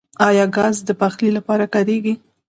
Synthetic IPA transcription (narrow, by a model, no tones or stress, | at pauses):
ɑjɑɡɑzd̪əpaxlilapɑɾakɑɾeɡi